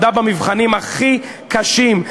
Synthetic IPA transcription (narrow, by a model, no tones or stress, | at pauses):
d̪abamivχanimaχi | kaʃim